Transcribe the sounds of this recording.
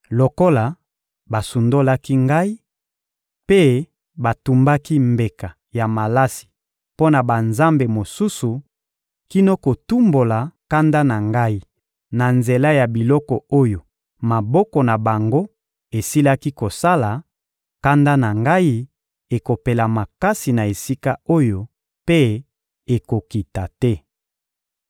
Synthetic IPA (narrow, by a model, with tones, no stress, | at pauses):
lo˨ko˦la˨ | ba˨su˨ndo˦la˦ki˦ŋɡa˦i˦ | pe˦ | ba˨tu˨mba˦ki˦mbe˨ka˨ | ja˨ma˨la˦si̥˨ | po˦na˨ba˨nza˦mbe˨mo˨su˦su˨ | ki˦no˦ko˨tu˦mbo˨la˨ka˦nda˦na˨ŋɡa˦i˦ | na˨nze˨la˦ja˨bi˨lɔ˦kɔ˨o˦jo˨ | ma˨bɔ˦kɔ˨na˨ba˨ŋɡo˦ | e˨si˦la˦ki˦ko˨sa˦la˨ | ka˦nda˦na˨ŋɡa˦i˦ | e˨ko˨pe˨la˨ma˨ka˦si˨na˨e˨si˦ka˦o˦jo˨ | pe˦ | e˨ko˨ki˨ta˨tɛ˦